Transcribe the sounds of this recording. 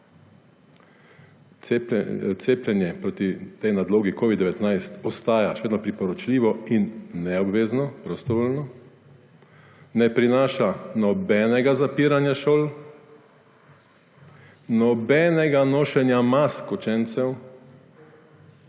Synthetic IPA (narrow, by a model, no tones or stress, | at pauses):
p̪seːplʲɛnjɛpɾot̪it̪ɛjnad̪loːɡikoːʋid̪d̪ɛʋɛt̪najst̪ɔst̪aːjaʃʋeːd̪nɔpɾipɔɾɔt͡ʃliːʋɔinːɛɔbʋeːznɔpɾɔst̪ɔʋoːlnɔ | nɛpɾinaːʃanɔbɛːnɛɡazapiːɾanjaʃoːl | nɔbɛːnɛɡanoːʃɛnjamaskɔt͡ʃɛnt̪sɛw